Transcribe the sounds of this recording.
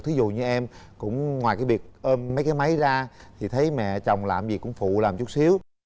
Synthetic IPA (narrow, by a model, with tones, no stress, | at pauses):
t̪ʰɨ˨˦zṵ˧˨ɲɨ˧ʔɛ˧mkʊ̰˧˥ŋ͡mŋwaː˨˩kaː˨˦jvi˨˩ək̚ʔə˧mə˨˦jkaː˨˦jma˨˦jzaː˧t̪ʰi˨˩t̪ʰə˨˦jmɛ̰˧˨t͡ɕa˨˩wŋ͡mla̰ː˧˨˩mzi˨˩kʊ̰˧˥ŋ͡mfṵ˧˨laː˨˩mt͡ɕʊ˦˥t̚si˨˦əw